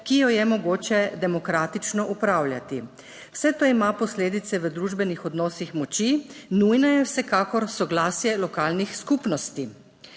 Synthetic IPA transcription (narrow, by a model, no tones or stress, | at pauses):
kijɔjɛmɔɡoːt͡ʃɛd̪ɛmɔkɾaːt̪it͡ʃnɔʔupɾawlʲjat̪i | w̥sɛt̪oimapɔsleːd̪it̪sɛʋəd̪ɾuʒbɛnixɔd̪nɔːsixmɔt͡ʃinujnajɛwsɛkaːkɔɾsɔɡlaːsjɛlɔkaːlnixskupnɔst̪i